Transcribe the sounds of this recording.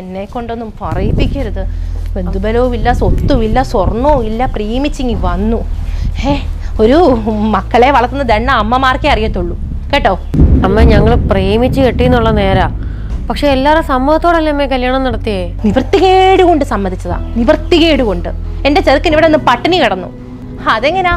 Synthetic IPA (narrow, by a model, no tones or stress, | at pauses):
enːe̞kːo̞ɳɖo̞nːumpɐrɐjipːikʲːɐɾɐðɨʋe̞nd̪ubɐlɐʋuʋilːɐsot̪ːuʋilːɐsorɳoːilːɐpriːmit͡ɕːiŋɡiʋɐnːue | o̞ɾumɐkːɐɭe̞ʋɐɭɐk̪ːunːɐd̪eɳːɐːmːɐmaːrkʲeɐrijɐt̪ːoɭːu | keːʈːoːɐmːeɲɐŋːɐɭpriːmit͡ɕːɨkeʈːijunːuɭːɐne̞ːɾa | pɐkʂe̞ːlːaːɾesɐmːuːhɐt̪ːoːɽɐlːeɐmːekɐljaːɳɐmnɐɽɐt̪ːijɐniʋɐrt̪ːiɣeɽuko̞ɳɖɨsɐmːɐnd̪it͡ɕːɐða̰ːniʋɐrt̪ːiɣeːɽuko̞ɳɖɨe̞ndet͡ɕeɾkːɐniʋiɽenːɨpɐʈːɐnikiɽɐnːṵ | ɐðe̞ŋːɐne